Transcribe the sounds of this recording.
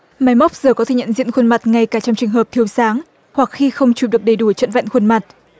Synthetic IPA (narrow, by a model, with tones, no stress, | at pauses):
ma˨˦jma˦˥wk͡p̚zɨː˨˩kɔ˨˦t̪ʰe˧˩ɲə̰˧˨nzḭ˧˨nxwə˧nma˨˩t̚ŋa˧jkaː˧˩t͡ɕɔ˧wŋ͡mt͡ɕɨ˨˩ŋɦəː˨˩p̚t̪ʰi˧əwsaː˨˦ŋ | hwa˨˩k̚xi˧xə˧wŋ͡mt͡ɕu˧˩ɗɨ˨˩ək̚ɗə˨˩jɗu˧˩t͡ɕə̰˧˨nva̰˧˨nxwə˧nma˨˩t̚